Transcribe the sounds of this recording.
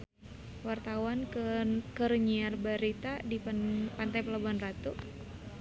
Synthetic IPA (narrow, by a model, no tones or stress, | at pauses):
wart̪awankəɾəɲiarbaɾit̪adipant̪ajpəlabanrat̪u